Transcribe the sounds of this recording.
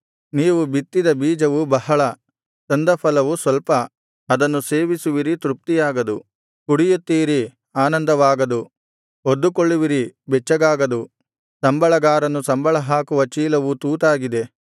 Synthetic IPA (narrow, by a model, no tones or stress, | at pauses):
niːʋubit̪ːid̪ɐbiːd͡ʒɐʋubɐɦɐɭɐ | t̪ɐnd̪ɐpʰɐlɐʋusʋɐlpɐː | d̪ɐnːuseːʋisuʋiɾit̪ɾup̚t̪ijaːɡɐd̪u | kuɽijut̪ːiːɾi | aːnɐnd̪ɐʋaːɡɐd̪u | od̪ːukoɭːuʋiɾibɛt͡ʃːɐɡaːɡɐd̪u | sɐmbɐɭɐɡaːɾɐnːusɐmbɐɭɐɦaːkuʋɐt͡ʃiːlɐʋut̪uːt̪aːɡid̪e̞